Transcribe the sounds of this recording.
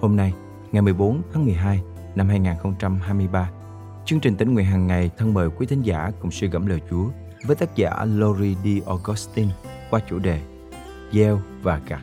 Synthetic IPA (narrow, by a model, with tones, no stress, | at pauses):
ho˧mna˧j | ŋa˨˩jmɨ˨˩əjɓo˨˦nt̪ʰaː˨˦ŋmɨ˨˩əjɦaː˧j | na˧mɦaː˧jŋaː˨˩nxə˧wŋ͡mt͡ɕa˧mɦaː˧jmɨ˧əjɓaː˧ | t͡ɕɨ˧əŋt͡ɕï˨˩ŋ̟t̪ï˧˥˩ŋwḭ˧˨ənɦaː˨˩ŋːa˨˩jt̪ʰə˧nɓəː˨˩jkwi˨˦t̪ʰï˨˦ŋ̟za̰ː˧˩kʊ˨˩ŋ͡msɨ˧ɣə̰˧˥˩mləː˨˩jt͡ɕu˨˦ə | vəː˨˦jt̪aː˦˥t̚za̰ː˧˩lo˧zi˧ɗi˧ʔɔ˧ɣɔ˨˦˥st̪i˧n | kwaː˧t͡ɕṵ˧˩ɗe˨˩ | zɛ˧wvaː˨˩kaː˨˩k̚